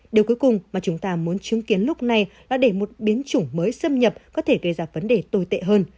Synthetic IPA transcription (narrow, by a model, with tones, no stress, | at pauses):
ɗi˨˩əku˨˦jkʊ˨˩ŋ͡mmaː˨˩t͡ɕʊ˨˦ŋ͡mt̪aː˧mu˨˦ənt͡ɕɨ˨˦ŋki˨˦ənlʊ˦˥k͡p̚na˨˩jlaː˨˩ɗe˧˩mo˨˩t̚ɓi˨˦ənt͡ɕʊ˧˩ŋ͡mməː˨˦jsə˧mɲə˨˩p̚kɔ˨˦t̪ʰe˧˩ɣə˧˩jzaː˧˩və˨˦nɗe˨˩t̪o˧jt̪ḛ˧˨ɦəː˧n